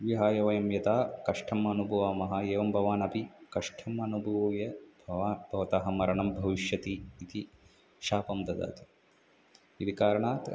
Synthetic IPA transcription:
ʋiɦaːjɐʋɐjɐmjɐt̪aːkɐʂʈʰɐmɐnubʱɐʋaːmɐɦɐjeːʋɐmbʱɐʋaːnɐpikɐʂʈʰɐmɐnubʱɐʋɐʋjɐbʱɐaːb̥ʱɐʋɐt̪aːɦɐmɐɾɐɳɐmbʱɐʋiʃjɐt̪iːt̪i | ʃaːpɐmd̪ɐd̪a̰ːt̪i̥ | it̪ikaːɾɐɳaːt̪

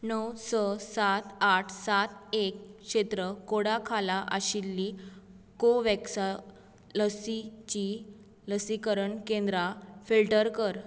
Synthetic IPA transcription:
nəwsɔsat̪aʈʰsat̪ekʂet̪ɾəkoɽakʰalaʔə̰ɕilːi | koʋɛksa | ləsit͡ɕi | ləsikəɾəɳkẽnd̪ɾafilʈəɾkəɾ

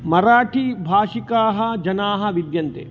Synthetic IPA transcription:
mɐɾaːʈʰibʱaːʂikaːɦɐ̆d͡ʒɐnaːɦɐ̆ʋid̪jɐnt̪ḛː

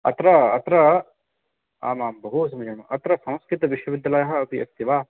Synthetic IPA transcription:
ɐ̰t̪ɾɐɐt̪ɾɐ | a̰ːmaːmbɐɦusɐmid͡ʒɐnuʔɐt̪ɾɐsɐ̃w̃skit̪ɐʋiʃwɐʋɪd̪ːɐlajɦɐɐp̪iɐkt̪iʋaː

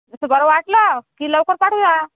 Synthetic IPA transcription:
əsəbəɾaʋaʈlakiləwkəɾpaʈʰud͡za

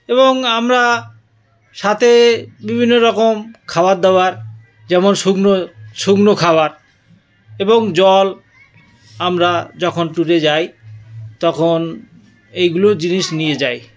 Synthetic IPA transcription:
eβoŋamɾa | ʃat̪ʰebibʱinːoɾɔkomkʰaoad̪eoaɾ | d͡ʑɛmonʃuɡnoʃuɡnokʰaaɾ | eboŋd͡ʑɔl | amɾad͡ʑɔkʰonʈuʈed͡ʑajt̪ɔkʰon | ejɡulod͡ʑiniʃnijed͡ʑaj

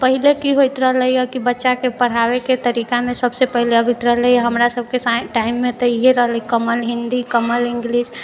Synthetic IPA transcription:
pəɦilekiɦojt̪ɾəɦləjjɔkibətːʃakepəɽ̤aweket̪əɾikamesəbsepəɦileəbʱit̪ɾəɦləjɦəmɾasəb̚ʱkesaʈaimːet̪ɔiɦeɾəɦləjkəməlɦind̪ikəməlɪŋɡlis

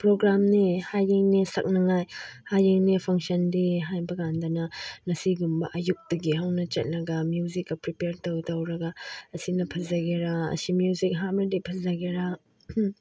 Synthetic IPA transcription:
pɾoɡɾamnihajeŋnesɐ̰k̚nɐŋajhajeŋnepʰɐŋsɐndeɦajbɐɡandɐnɐnɐsiɡumbɐ̰ʔɐjuk̚dɐɡiɦawnɐt͡ʃɐ̰t̚lɐɡɐmjuzikːɐpɾipeɾtowtowɾɐɡaɐsinɐpʰɐzɐɡeɾaɐ̰simjuzik̚ɦamɐdipʰɐzɐɡeɾa

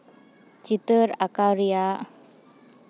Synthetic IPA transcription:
t͡ʃit̪əɾakaɾia

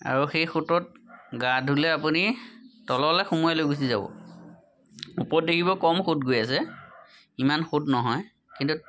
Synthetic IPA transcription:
a̰ɹuxejxutɔt̚ɡadʱulɛapunitɔlɔlɛxumujalojɡus̬iza̰bɔ̰ | upɔt̚dekʰibɔkɔmxotɡojas̬ɛ | imanxotnɔɦɔj | kintu

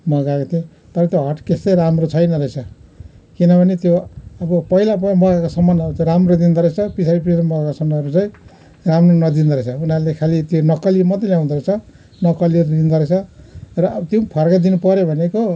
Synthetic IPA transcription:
mʌɡakot̪ʰe | t̪ʌɾʌt̪joɦʌʈkest̪ʌjɾamrot͡sʰʌjnʌɾʌjt͡sʰʌ | kinʌbʱʌnet̪joʌbʌpʌɦilapmʌɡakosʌmːanʌɾut͡sãɾamrod̪ind̪ʱʌɾet͡sʰʌpisʰabipissamʌɡakosʌmaʌɾut͡saj̃ | ramronʌd̪ind̪ʌɾʌt͡sʰʌunalekʰalit̪jonʌkʌlimʌd̪ʌljaw̃d̪ʌɾʌt͡sʰʌ | nʌkʌliʌɾud̪ind̪ʱʌɾet͡sʰʌrʌt̪jõpʰʌrkad̪inupʌɾjobʱʌneko

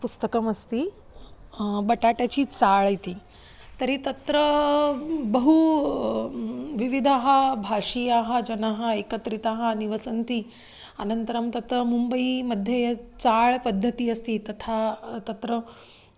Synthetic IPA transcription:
pust̪əkəmɐst̪iː | bəʈaʈjat͡ɕiːt͡saɭajt̪iː | t̪əɾiːt̪ɐt̪ɾə | bəɦu | ʋiʋid̪ʱaɦabʱaʂijaɦad͡ʑɐnaɦaekət̪ɾit̪aɦaniʋəsənt̪iː | a̰nənt̪əɾəmt̪ɐt̪ɾəmumbəiməd̪ʱjet͡saɭpəd̪ʱːət̪iːɐst̪iːt̪ɐt̪ʰat̪ɐt̪ɾə

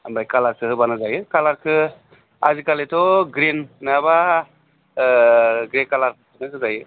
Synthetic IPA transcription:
ambajkalaɾsɯhɯbanɯzajɯkalaɾkʰɯ | azikaletʰɔɡɾinnaba | ɡɾekalaɾ | ɯnɯkʰɯzajɯ

